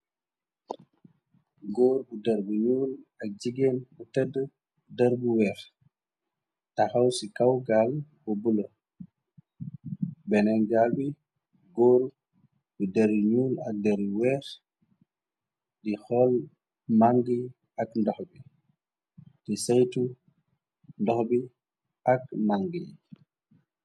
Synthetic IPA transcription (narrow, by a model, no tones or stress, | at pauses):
ɡoːɾbudɐɾbuɲuːlak̚d͡ʒiɡɛnbutɛdə | dɐɾbuwɛːɾ | taxawsikawɡalbɔbulo | bɛnɛnɡalbi | ɡɔːɾ | bidaɾiɲuːlak̚dɛɾuwɛɾ | dixɔl | maŋɡi | akndɔxbi | tisajtu | ndɔxbi | ak̚maŋɡḭ